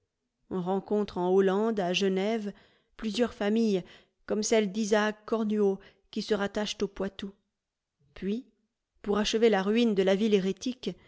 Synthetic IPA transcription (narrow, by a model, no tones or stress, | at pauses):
ɔ̃ʁɑ̃kɔ̃t̪χɑ̃olɑ̃d̪aʒənɛv | plyzjœʁfamij | kɔmsɛld̪izakɔʁnyo | kʲisəʁat̪aʃt̪opwat̪u | pɥi | puʁaʃəvelaʁɥind̪əlavileʁet̪ik